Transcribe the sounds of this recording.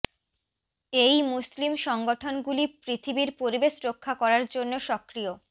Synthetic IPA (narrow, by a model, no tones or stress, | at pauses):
ejmuslimʃɔŋɡoʈʰonɡulipɾit̪ʰibiɾpoɾibeʃɾokʰːakɔɾaɾd͡ʑonːoʃɔkːɾio